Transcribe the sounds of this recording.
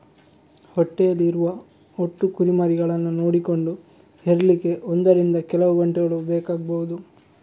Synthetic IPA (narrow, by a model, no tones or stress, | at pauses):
hoʈːejɐlːiːɾuʋɐ | oʈːukuɾimaːɾiɡɐɭɐnːunoːɽiko̞ɳɖu | heɾɐlike̞ʔond̪ɐɾind̪ɐkɛlɐʋuɡɐɳʈɛɡɐɭubeːkaːɡɐbɐwud̪u